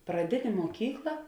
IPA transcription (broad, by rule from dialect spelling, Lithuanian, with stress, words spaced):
prɐˈdʲɪnʲeː muɔˈkʲiːklˠɐ